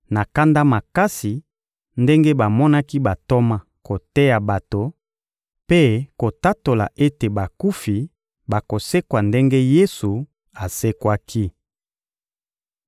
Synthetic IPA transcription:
na˨ka˦nda˦ma˨ka˦si˨ | nde˦ŋɡe˦ba˨mɔ˦na˦ki˦ba˨to˦ma˦ | ko˨tɛ˦ja˨ba˨to˨ | pe˦ko˨ta˦to˨la̰˨ʔe˦te˨ba˨ku˦fi˨ | ba˨ko˨se˦kwa˨nde˦ŋɡe˦je˦su˨ | a˨se˦kwa˦kʰi˦

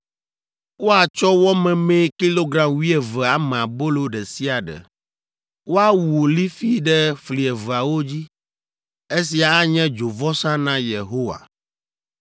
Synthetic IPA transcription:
wo˦a˨t͡ʃɔ˦wɔ˦mɛ̃˨mẽ˦ki˦lo˦ɡɾa˨mwi˦ɛ˨vɛ˨a˨mɛ̃˨a˨bo˦lo˦ɖɛ˨si˦a˨ɖɛ̰˨ | wo˦a˦˨wu˨li˦fi˦ɖɛ˦fli˨ɛ˨və˨a˨wo˦d͡ʑi˦ | e˦s̬i˨a˨a˦ɲɛ̃˦d͡ʒo˨vɔ˦sã˦nã˦je˨ɦo˦wa̰˨

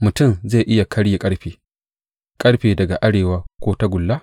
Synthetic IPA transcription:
mʊ˨tʊ˦˨mze˦˨ʔɪ˦ja˨kʰɐ˦ɽje˨kʼɐ˦ɽɸeː˨ | kʼɐ˦ɽɸeː˨dɐ˨ɡa˨ʔa˦ɽeː˨waː˦kʷoː˦ta˦ɡʷʊ˨lːaː˦

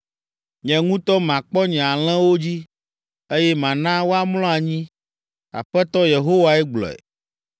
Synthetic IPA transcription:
ɲɛ̃˨ŋũ˦t̪ɔ˦mã˨k͡pɔ˦ɲɛ̃˨a˨l̃ɛ̃˦wo˦d͡ʑi˦ | e˦jɛ˦mã˨nã˦wo˦a˦mlɔ̃˦a˨ɲĩ˦ | a̰˨ɸɛ˦t̪ɔ˦je˨ɦo˦wa˨ɛ˦ɡ͡blɔ̰˨ɛ̰˨

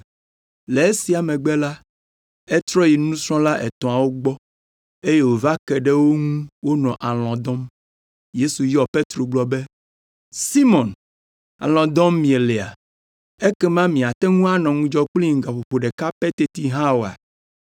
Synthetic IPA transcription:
le˨e˦si˨a˨mɛ̃˨ɡ͡bɛ˦la˦ | e˦t̪ɾɔ˦ji˨nũ˦sɾɔ̃˦la˦ʔɛ˨t̪ɔ̃˨a˨wo˦ɡ͡bɔ˦ | e˦je˦wo˨va˦kɛ˨ɖɛ˦wo˦ŋũ˦wo˦nɔ̃˨ʔa˨l̃ɔ̃˨d̪ɔ̃˦m | je˦su˨jɔ˨pe˦t̪ɾo˨ɡ͡blɔ˦be˦ | si˦mɔ̃˨n | a̰˨l̃ɔ̃˨d̪ɔ̃˦mːĩ˨ɛ˨lɛ˨a̰˨ | e˦kɛ˦mã˦mĩ˨a˨t̪ɛ˦ŋũ˦a˦nɔ̃˨ŋũ˦d͡ʒɔ˦k͡pli˦ŋ̩˨ɡa˨ɸo˨ɸo˨ɖɛ˨ka˦pe˦t̪e˦t̪i˦ɦã˦wo˨a̰˨

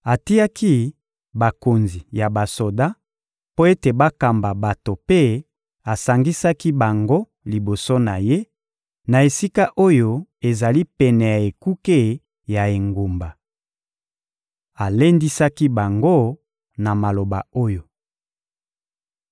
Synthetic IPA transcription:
a˨ti˦ja˦ki˦ | ba˨ko˨nzi˨ja˨ba˨so˨da˦ | po˦e˦te˨ba˦ka˨mba˨ba˨to˨pe˦ | a˨sa˨ŋɡi˦sa˦ki˦ba˨ŋɡo˦ | li˨bo˨so˦na˨je˦ | na˨e˨si˦ka˦ʔo˦jo˦e˨za˨li˦pɛ˨nɛ˨ja˨e˨ku˦ke˦ | ja˨e˨ŋɡo˨mba˨ | a˨le˦ndi˦sa˦ki˦ba˨ŋɡo˦ | na˨ma˨lo˨ba̰˨o˦jo˨

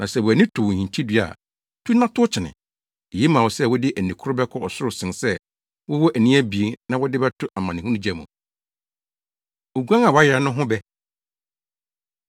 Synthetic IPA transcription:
nʔã˨sɛ˨wʊ˨æ˨nĩ˦tʰʊ˨whĩ˨ntʰi˦dɥa̰˨ | tʰu˦nã˦tʰʊ˦t͡ɕʰɪ˨nɪ̰̃˨ | e˨je˦mã˨wʊ˨sɛ˦wʊ˦dɪ˦ʔæ˨n˨ĩ˨kʰʊ˦ɾʊ˦bɛ˦kʰɔ˦ɔ˨sʊ˦ɾʊ˨sɪ̃˨nsɛ˦ | wʊ˦wɔ˦ʔæ˨nĩ˦æ˦bi˨e˦nã˦wʊ˦dɪ˦bɛ˦tʰʊ˦a˨mã˨n˨ɪ̃˨hũ˦nũ˦d͡ʑɛ˦mṵ̃˨ | o˨ɡu˦ã˦ŋa˨wɔ˨˦a˦jɛ˨ɾa˨˦nʊ̃˦ɦʊ̃˦bɛ˦

